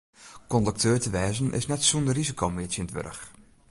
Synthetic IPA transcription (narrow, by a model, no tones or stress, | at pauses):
kɔndək̚tʰøːɹtəʋɛːzənʔɪ̰snɛtsundərizikʰoːmɪətjɪnətʋø̰rə̰x